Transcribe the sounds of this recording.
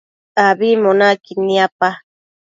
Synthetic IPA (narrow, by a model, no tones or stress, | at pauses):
abimonakiniapa